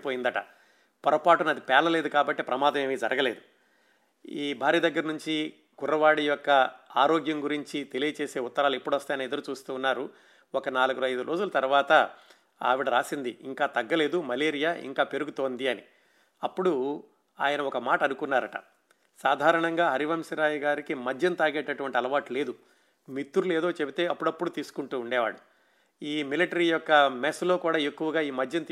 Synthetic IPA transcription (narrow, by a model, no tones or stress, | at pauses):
poːjind̪ɐʈɐ̰ | pɐɾɐpaːʈunɐd̪ipɛːlɐle̞ːd̪ukaːbɐʈːeːpɾɐmaːd̪ɐme̞ːmid͡ʒɐɾʔɐɡɐle̞ːd̪u | iːbʱaːɾjiɐd̪ɐɡːɐɾɐnuɲt͡ʃi | ɡurːɐʋaːɽijɔkːɐaːɾoːɡjɐŋɡuɾiɲt͡ʃit̪e̞lijɐt͡ʃeːse̞ːut̪ːɐɾaːluepːuɽʋɐst̪aːjɐnɐid̪ɐɾut͡ʃuːst̪uːnːaːɾu | ɔkɐnaːluɡuɾɐjd̪uɾʔo̞ːd͡ʒulɐt̪ɐɾʋaːt̪ɐ | a̰ːʋiɽɐɾaːsind̪iiŋkaːt̪ɐɡːɐle̞ːd̪umɐleːɾijaːʔḭŋkaːpe̞ɾuɡut̪oːnd̪iɐnḭ | ɐpːuɽu | a̰ːjɐnɐɔkɐmaːʈɐnukunːaːɾɐʈɐ̰ | saːd̪ʱaːɾɐɳɐŋɡaːɦɐɾiʋɐmsiɾaːjiɡaːɾikimɐd͡ʒjɐnt̪aːɾɡeʈːɐʈuʋɐɳʈiɐlɐʋaːʈle̞ːd̪u | mit̪ːuɾuleːd̪o̞ːt͡ʃe̞bit̪e̞ːɐpːuɽɐpːuɽut̪iːsu̥kuɳʈuːɳɖɛːʋa̰ːɽu | iːmiliʈɐɾijɔkːɐmeslo̞ːkuːɽaːe̞kːuʋɐɡaːiːmɐd͡ʒjɐnt̪ː